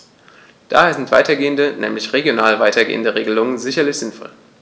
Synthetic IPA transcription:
d̥a̰ːɦeːɐzɪntv̥aɪtɐɡeːəndənɛ̰ːmlɪçʁeɡjonaːlvaɪtʰɐɡḛːəndəʁeːɡəlʊŋənzɪçɐlɪçz̥ɪnfɔ̰l

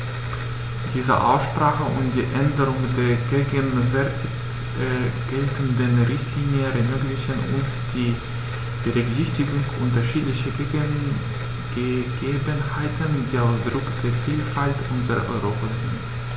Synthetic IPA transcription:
d̥iːzə̰ʔa̰ʊsʃpʁ̥aːχəʔʊntd̥ḭːʔɛndəʁʊŋdeːɐɡeːɡənvɛɐt | ɡ̥ɛltəndənʁɪçtʰliːnjəʁɛmøːɡlɪçənʔʊ̰nsd̥iː | b̥əʁɛkzɪçtɪɡʊŋʔʊntɐʃiːdlɪçə | əɡ̥eːbənhaɪtʰəndiːaʊsd̥ʁʊkd̥eːɐfiːlfaltʔʊnzəʁɐ̰ʔɔ̰ʏʁoːpʰazɪ̰nt

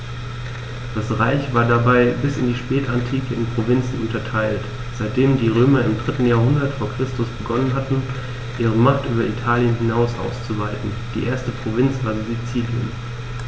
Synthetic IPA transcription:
d̥asʁaɪçv̥aːɐdabaɪbɪsɪndiːʃpɛːtantʰiːkəɪnpʁ̥ovɪnt͡sn̩ʊntɐtʰaɪlt | z̥aɪt̚d̥eːmdiːʁ̞øːmɐɪmdʁɪtn̩jaːɐɦʊndɐtfoːɐkʁ̥ɪstʊsb̥əɡɔnənɦatn̩ | ʔiːʁəmaχtʔyːbɐʔitʰaːljənɦɪnaʊsʔa̰ʊst͡suvaɪtn̩ | d̥iːʔeːɐstəpʁ̥ovɪnt͡sv̥aːɐzzit͡siːljə̰n

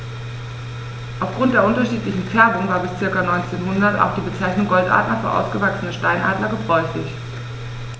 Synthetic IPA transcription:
ʔaʊfɡ̥ʁʊnt̚d̥eːɐʔʊntɐʃiːtlɪçn̩fɛɐbʊŋvaːɐbɪst͡sɪɐkɐnɔʏnt͡seːnɦʊndɐta̰ʊxd̥iːbət͡saɪçnʊŋɡɔltʔa̰ːtlɐfyːɐʔa̰ʊsɡ̥əvaksənəʃtaɪnʔa̰ːdlɐɡəbʁɔʏçlɪç

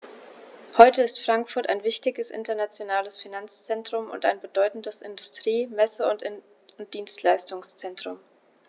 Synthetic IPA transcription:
hɔʏtəɪstfʁ̥aŋkfʊɐtaɪnvɪçtɪɡəsʔɪ̰ntɐnat͡sjonaːləsfinant͡st͡sɛntʁ̥ʊmʊ̰nta̰ɪnbədɔʏtn̩dəsɪ̰ndʊstʁ̥iːmɛsəʊn | ʊnt̚d̥iːnstʰlaɪstʊŋst͡sɛntʁ̥ʊm

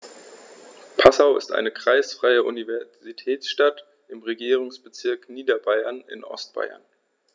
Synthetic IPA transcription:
pʰasaʊɪ̰stʔa̰ɪnəkʁ̥aɪsfʁ̥aɪəʔṵnivɛɐzitʰɛːsʃtat | ʔɪmʁeɡiːʁ̞ʊŋsb̥ət͡sɪɐkniːdɐbaɪɐnɪ̰nʔɔ̰st̚b̥a̰ɪɐ̰n

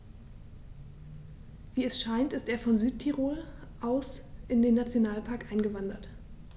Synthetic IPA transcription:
viːɛsʃaɪntɪsteːɐfɔnzyːttʰiʁoːl | ʔaʊsʔɪndeːnːat͡sjonaːlpʰaɐkʔaɪnɡəvandɐt

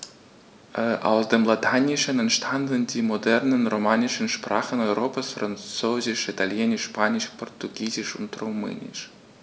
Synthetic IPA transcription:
ʔa̰ʊsd̥eːmlatʰanʲɪʃənɛntʃtʰandəndiːmodɛrnənromanʲɪʃənʃpra̰ːχənɔʏɾoːpasfrant͡soːzɪʃitʰaljɛnʲɪʃːpaːnʲɪʃpʰortuɡiːzɪʃʊntrumɛ̰ːnʲɪ̰ʃ

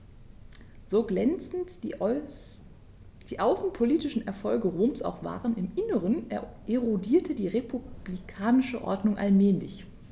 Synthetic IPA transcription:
z̥oːɡlɛnt͡sn̩t | d̥iːʔaʊsn̩pʰoliːtɪʃn̩ʔɛɐfɔlɡəʁoːmsa̰ʊxv̥a̰ːʁənɪmʔɪnəʁənʔeʁodiːɐtʰədiːʁepub̥likʰaːnɪʃəʔɔ̰ɐdnʊŋʔa̰lmɛːlɪ̰ç

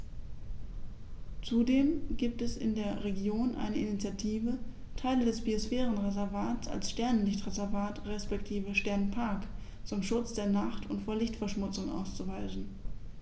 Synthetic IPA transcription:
t͡sudeːmɡiːp̚tɛsɪ̰ndeːɐʁeɡjoːnʔa̰ɪnəinit͡sjatʰiːvə | tʰaɪlədɛsb̥iosfɛːʁ̞ənʁezɛɐvaːt͡sa̰lsʃtɛɐnənlɪçtʁezɛɐvaːtʁɛspɛktʰiːvəʃtɛɐnpʰaɐk | t͡sʊmʃʊt͡sd̥eːɐnaχtʊntfoːɐlɪçtfɛɐʃmʊt͡sʊŋʔa̰ʊst͡suvaɪzn̩

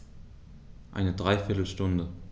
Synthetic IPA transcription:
ʔa̰ɪnədʁaɪfɪɐtl̩ʃtʊndə

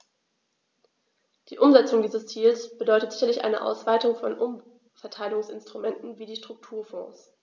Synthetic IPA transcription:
d̥iːʔʊmzɛt͡sʊŋdiːzɐst͡siːlsb̥ədɔʏtətz̥ɪçɐlɪçʔa̰ɪnə̰ʔa̰ʊsv̥aɪtʊŋfɔnʔʊm | fɛɐtʰaɪlɡʊŋsɪnstʁ̥umɛntn̩viːdiːʃtʁ̥ʊk̚tʰuːɐfɔ̰̃ːs

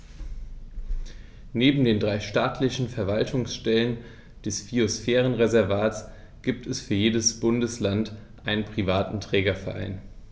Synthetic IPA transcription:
neːbm̩deːndʁaɪʃtaːtʰlɪçn̩fɛɐvaltʰʊŋsʃtɛlən | d̥ɛsfiosfɛːʁ̞ənʁezɛɐvaːtt͡s | ɡ̥iːp̚tʰɛsfyːɐjeːdəsb̥ʊndəslant | ʔaɪnənpʁ̥ivaːtn̩tʁ̥ɛːɡɐfɛɐʔa̰ɪn

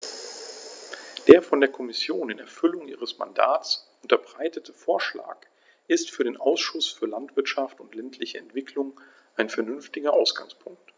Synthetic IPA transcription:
d̥eːɐfɔndeːɐkʰɔmɪsjoːnɪnɛɐfʏlʊŋʔiːʁ̞əsma̰nda̰ːt͡sʔʊntɐbʁaɪtətʰəfoːɐʃla̰ːk | ʔɪstfyːɐɾeːnʔaʊsʃʊsfyːɐlantv̥ɪɐtʃaftʊntlɛntʰlɪçəɛntv̥ɪkʰlʊŋ | ʔaɪnfɛɐnʏnftɪɡɐʔaʊsɡ̥a̰ŋspʰʊŋk̚t

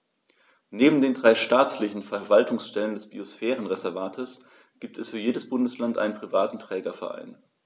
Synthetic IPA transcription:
neːbm̩deːndʁaɪʃtaːt͡slɪçn̩fɛɐvaltʊŋsʃtɛləndɛsb̥iosfɛːʁənʁɛzɛɐvaːtʰəs | ɡ̥iːp̚tʰɛsfyːɐjeːdəsb̥ʊndəslantʔa̰ɪnənpʁ̥ivaːtn̩tʁ̥ɛːɡɐfɛ̰ɐʔa̰ɪn

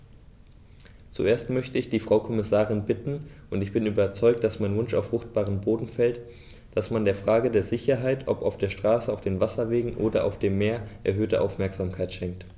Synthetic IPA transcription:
t͡suʔeːɐstmœçtəɪçd̥iːfʁ̥aʊkʰɔmɪsaːʁɪnbɪtn̩ʔʊntɪçb̥ɪnʔyːbɐt͡sɔʏk̚t̚d̥asmaɪnvʊnʃaʊfʁ̥ʊχt̚b̥aːʁənboːdn̩fɛlt | d̥asmandeːɐfʁ̥aːɡədeːɐzɪçɐɦaɪtʰʔɔpaʊfd̥eːɐʃtʁ̥aːsəaʊfd̥eːnvasɐveːɡŋ̩ʔoːdɐʔa̰ʊfd̥eːmːeːɐʔɛ̰ɐɦøːtəʔa̰ʊfmɛɐkz̥aːmkʰaɪtʃɛŋkt

